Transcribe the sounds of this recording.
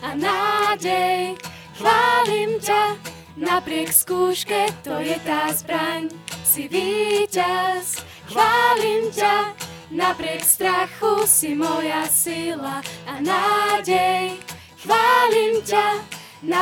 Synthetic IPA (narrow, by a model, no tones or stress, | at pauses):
anaɟɛj | xʋaːlimca | napɾɪɛkskuːʃkɛt̪ɔjɛt̪aːzbɾaɲsiviːcas | xaːlimca | napɾɪɛkst̪ɾaxusimɔjasilaːnaɟɛj | xʋaːlimca | na